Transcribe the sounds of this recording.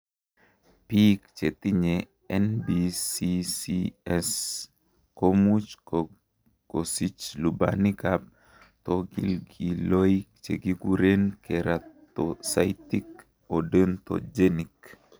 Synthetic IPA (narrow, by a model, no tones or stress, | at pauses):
pikt͡ʃet̪iɲe | ɛnbisisiɛs | komut͡ʃ | kosit͡ʃluba̰nikap̚ | t̪ɔɡḭlɡiloik̚t͡ʃeɡiɡuɾenkeɾʔat̪osajt̪ik | odənt̪ɔ̰d͡ʒenik